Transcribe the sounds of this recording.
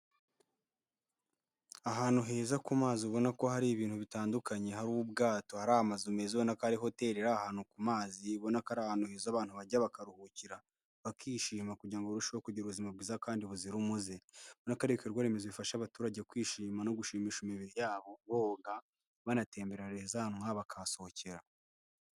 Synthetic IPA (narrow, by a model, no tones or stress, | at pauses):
aɦaːn̥uɦe̞ːzakumaːziuβo̞nako̞haɾiβiːn̥huβitaːndukaɲe̞ɦaɾuβubɡaːto̞haɾamazumeziβonakaɾiɦo̞te̞ɾeɾahaːn̥ukumaːziβo̞nakaɾaːhaːnuheːzaːβaːnhuβaɟaβakaɾuhuciɾa | βakiːʃiːmakuɟaːŋɡoɾuʃiwokuɟiɾuβuzimabɡiːzakaːndiβuziɾumuze̞βonakaɾikeɾɡwaːɾemezoβifaʃaβatuːɾaɟekwiːʃiːmano̞ɡuʃiːmiːʃimiβiɾijaːβo̞βoːɡa | βanate̞ːmbeɾaɾezahanuŋaβakʰaso̞oce̞ɾa